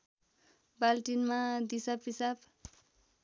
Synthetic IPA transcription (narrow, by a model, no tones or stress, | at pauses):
balʈinmad̪isapisab